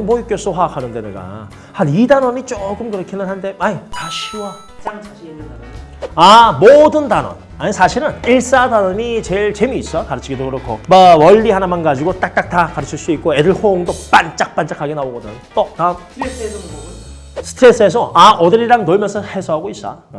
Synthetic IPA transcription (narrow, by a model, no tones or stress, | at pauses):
mwʌik͈jʌs͈oɸwakʰanɯnde̞neɡa̰ | hanidanʌɲit͡ɕ͈oɡɯmkɯɾʌkʰinɯnhande̞aɲitaɕʰiwa | amodɯntanʌ̰n | aɲisʰaɕʰiɾɯniɭs͈adanʌɲit͡ɕe̞ɭt͡ɕe̞miːs͈ʌjokaɾɯt͡ɕʰiɡidokɯɾʌkʰo̰mawʌʎːihanamanɡad͡ʑiɡot͈ak̚t͈ak̚takaɾɯt͡ɕʰiɭs͈uik̚k͈oe̞dɯɭhooŋdop͈ant͡ɕ͈ak̚p͈ant͡ɕ͈akʰaɡenaoɡʌdɯnt͈ota | sʰɯ̥tʰɾes͈ɯesʰʌʔaʔʌdɯɾiɾaŋnoɭmjʌnsʰʌhe̞sʰʌɦaɡois͈a̰